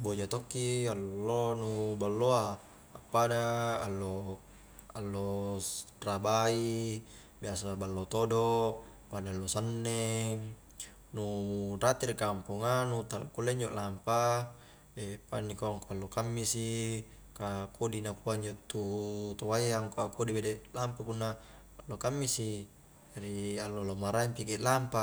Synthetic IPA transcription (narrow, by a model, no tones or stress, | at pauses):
bod͡ʒat̪okːialːolonubalːoaː | pːadaːlːo | alːo | rabai | biasabalːot̪odo | panalːosənːeŋ | nuɾat̪irkampuŋanut̪ala̰kːulːeɲd͡ʒoʔlampa | epanːikoaŋkoalːokamːisi | kakʰodinakuaɲd͡ʒoʔt̪ːut̪owajaŋkoakodibedelampakunːa | alːokamːisi | d͡ʒaɾialːolomaɾaimpikiʔlampa